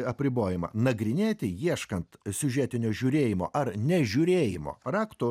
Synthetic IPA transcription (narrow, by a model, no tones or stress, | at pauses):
ɐpʲɾʲɪboːjɪmɐ̰nɐɡɾʲɪnʲeːt̪ʲɪjiɛʃkɐnt̪sʲʊʒʲɛːt̪ʲɪnʲoːʒʲʊːɾʲeːjɪmo̰ːʔɐɾnʲɛʒʲʊɾʲeːjɪmo̰ːrɑːkt̪ʊ